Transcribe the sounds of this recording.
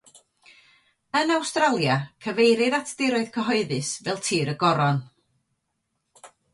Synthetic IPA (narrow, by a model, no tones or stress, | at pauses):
ənawstralˠjakʰəvejɾɪðatʰd̥ɪɾɔɨðkʰəɦɔɨðɨsvɛlˠtʰiːɾəɡɔɾɔn